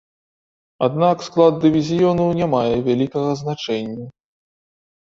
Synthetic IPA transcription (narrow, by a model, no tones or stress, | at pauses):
ad̪naksklˠad̪̚ːɨvʲizʲijɔnɐwnʲamajɛvʲalʲikɐɣɐznat͡ʂɛnʲːɐ